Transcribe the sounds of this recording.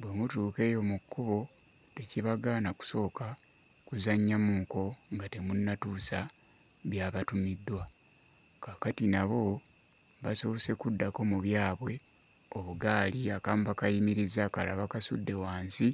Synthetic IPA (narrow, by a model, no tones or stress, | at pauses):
bwe̞mutuːke̞ːjo̞mukːuβo̞ | te̞ciβaɡaːnaku̥so̞ːka | kuzaɲːamuːŋko̞ŋɡate̞munːatuːsa | βjaːβatumidːwa | kakatinaβo̞ | βaso̞ːse̞kudːako̞muβjaːβwe̞ | o̞βuɡaːliakaːmuβakajimiɾizakalaβakasṵdːe̞waːnsi